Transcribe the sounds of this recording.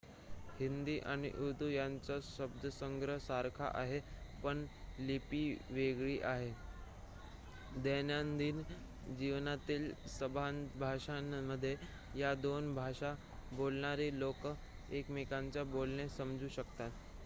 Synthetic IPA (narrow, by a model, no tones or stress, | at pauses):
hind̪iːʔaɽ̃ḭʔud̪ʱujaɲt͡saɕəb̚d̪ʱəsəŋɡɾəsaɾkʰa̰ʔaɦepəɳlipiːʋeɡɭiːʔaɦe | d̪enjand̪iːn | d͡ʑiʋnat̪iːlsəbʱanbʱaɕaməd̪ʱːje | jad̪onbʱaɕa | bolɳaɾiːlokə | ekmikaɲt͡ɕjabolɳesəmd͡zuːɕəkt̪at̪